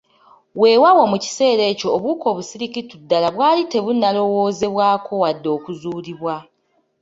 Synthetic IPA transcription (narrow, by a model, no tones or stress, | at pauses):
we̞wawomuci̥se̞ːɾe̞ːcoːβuːko̞ːβusiɾikitudːalaβwaːlite̞βunːalo̞wo̞ːze̞βwaːkʰo̞wadːo̞ːkuzuːliβwa